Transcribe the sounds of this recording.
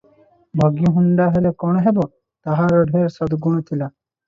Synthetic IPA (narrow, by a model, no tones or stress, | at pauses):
bʱɔɡjiɦund̪aɦelekɔɽ̃ɔɦebɔ | t̪aɦaɾɔɖʱeɾsɔd̪ɡuɽ̃ɔt̪ʰila